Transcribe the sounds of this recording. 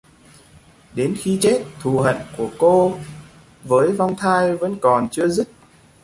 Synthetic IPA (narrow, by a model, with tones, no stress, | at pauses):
ɗe˨˦nxi˧t͡ɕe˦˥t̚t̪ʰu˨˩ɦə̰˧˨nku˧˩əko˧ | vəː˨˦jva˧wŋ͡mt̪ʰaː˧jvə̰˧˥nkɔ˨˩nt͡ɕɨ˧əzɨ˦˥t̚